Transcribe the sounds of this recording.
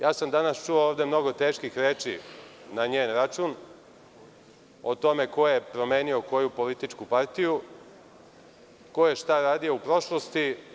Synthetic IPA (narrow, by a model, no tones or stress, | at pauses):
jaːsamd̪anast͡ʃuooːʋd̪e̞mno̞ɡo̞t̪e̞ːʃkixɾeːt͡ʃḭnaɲeːnɾat͡ʃun | ot̪o̞me̞ko̞jepɾo̞meːnio̞ko̞jupo̞lit̪it͡ʃkupaɾt̪iju | ko̞jeʃt̪aɾaːd̪ijo̞upɾo̞ʃlo̞st̪i